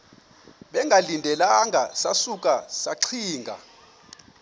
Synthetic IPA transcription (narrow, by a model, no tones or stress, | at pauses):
ɓɛŋɡʱalindʱɛlaŋʱasasuk̬ʼasaǀʰiːŋɡʱa̰